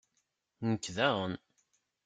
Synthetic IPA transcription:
nəkːðæʁən

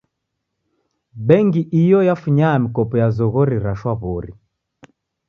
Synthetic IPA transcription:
bɛŋɡiʔijɔjafuɲaːmikɔpɔjazɔɣɔɾiɾaʃwaβɔɾi

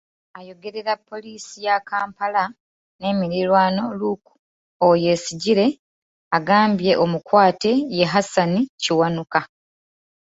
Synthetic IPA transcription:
ajo̞ɡe̞ɾe̞ɾapːo̞liːsijakaːmpala | ne̞ːmiɾiɾwaːno̞luku̥ | oje̞siɟiɾe̞ | aɡaːmbje̞ʔo̞mukwaːte̞je̞ɦasaniciwanuka

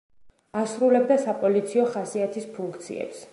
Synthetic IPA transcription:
asɾulɛb̚d̪asapʼɔlit̪sʰiɔχasiat̪ʰispʰuŋkʰt̪sʰḭɛ̰ps

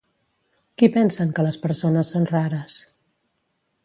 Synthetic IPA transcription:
kipɛnsəŋkələspəɾsonəsːonraɾəs

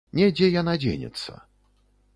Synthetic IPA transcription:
nʲɛd͡zʲɛjanad͡zʲḛnʲɛ̰t̪sːə̰

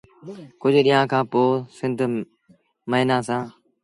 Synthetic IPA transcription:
kʊd͡ʑʱɗiːãːkʰãːpoːsɪ̃nd̪ʱ | məɦɪnãːsãː

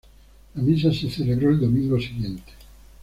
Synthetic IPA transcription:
lamis̬aseθeleβɾoeld̪omĩŋɡosiɣjent̪e̥

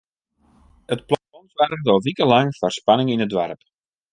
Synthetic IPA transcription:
ətplatɔnzʋarəɣdɔlˠʋikəlɑŋfarspɑnɪŋɪnədʋa̰rp

